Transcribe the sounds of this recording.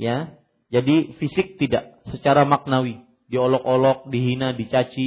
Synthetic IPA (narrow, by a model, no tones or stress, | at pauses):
ja | d͡ʒadifisɪk̚t̪idaʔsət͡ʃaɾamak̚nawi | diolɔkolɔk̚diɦinadit͡ʃat͡ʃi